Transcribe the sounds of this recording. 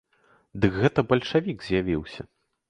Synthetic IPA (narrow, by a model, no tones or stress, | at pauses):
d̪ɨkɣɛt̪ɐbɐlʲʂavʲiɡkzʲjavʲiwsʲɐ̰